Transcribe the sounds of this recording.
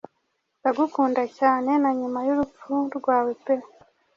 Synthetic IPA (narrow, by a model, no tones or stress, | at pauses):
nzaɡukuːndacaːne̞naɲumajuɾup͡fuɾɡwaːwe̞pe